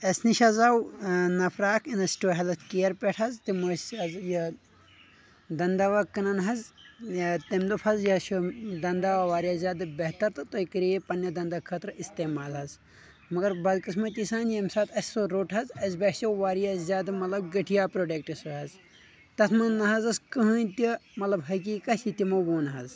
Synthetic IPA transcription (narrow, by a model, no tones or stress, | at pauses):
ɐsniʃɐzaːwnɐpʰɾaːkʰinɐsʈoːɦɐlɐskijɐɾpeʈʰɦɐzt̪imɐsɐzjɐ | d̪ɐnd̪aʋakɐnɐnɦɐz | t̪emd̪upʰɐzjɐʃod̪ɐnd̪aʋaʋaːɾjaːzʲjaːd̪ɨbɐɦt̪ɐɾt̪ɨt̪oikiɾiepɐnjɐd̪ɐnd̪akʰɐt̪ɾist̪eːmaːlɦɐz | mɐɡɐɾbɐd̪kɨsʰmɐt̪ʲisaːnjɐmsaːt̪ʰɐsʲsoɾoːʈʰɦɐzɐzbeʈʰsoʋaːɾijazʲaːd̪ɨmɐt̪lɐbɡɐʈʰijaːpɾoːɖek̚ʈisɐɦɐz | t̪ɐt̪ʰmɐnːɐɦɐzɐskɐɦɐnt̪imɐt̪lɐbɦɐkiːkɐsit̪ʲimɐboːnɦɐz